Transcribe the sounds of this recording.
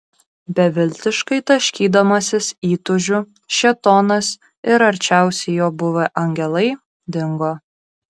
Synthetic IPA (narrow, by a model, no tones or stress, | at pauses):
bʲɛʋʲɪlʲt̪ʲɪʃkɐɪt̪ɐʃʲkʲiːd̪ɐmɐsʲɪsiːt̪ʊʒʲʊ | ʃʲɛt̪oːnɐs | ɪɾɐɾʲt͡ʃʲæˑʊsʲɛɪjoːbʊʋʲɐʔɐŋʲɡʲɛlˠɐɪ | d̪ʲɪŋɡoː